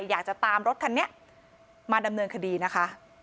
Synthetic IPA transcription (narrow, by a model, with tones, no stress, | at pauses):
jaː˨˩k̚t͡ɕa˨˩t̪aː˧mɾo˦˥t̪̚ʰːa˧nːi˦˥ɐ | maː˧da˧mnɤː˧nkʰa˧diː˧na˦˥kʰa˦˥